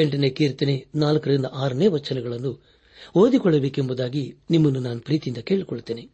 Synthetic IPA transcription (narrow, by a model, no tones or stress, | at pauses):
eɳʈɐneːkiːɾt̪ːinenaːlɐkɐɾind̪ɐʔaːɾɐneːʋɐt͡ʃːɐnɛɡɐɭɐnːu | oːd̪ikɔɭːɐbeːkembud̪aːɡinimːɐnːunaːnupɾiːt̪ijind̪ɐke̞ːɭikɔɭut̪ːeːni